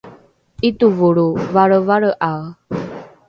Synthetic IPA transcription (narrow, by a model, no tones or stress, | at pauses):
ituvuɾuvaɾəvaɾəʔaw